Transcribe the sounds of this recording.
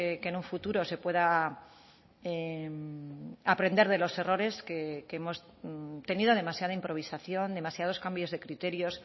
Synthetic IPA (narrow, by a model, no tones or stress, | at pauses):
ekenuɱfut̪uɾo̞se̞pwe̞ða | e | apɾe̞nd̪eɾð̞e̞lo̞se̞ro̞ɾe̞skekeemo̞s | t̪e̞niðo̞ðe̞masjað̞aimpɾo̞β̞isaθjo̞nd̪e̞masjað̞o̞skambjo̞zðe̞kɾit̪e̞ɾjo̞s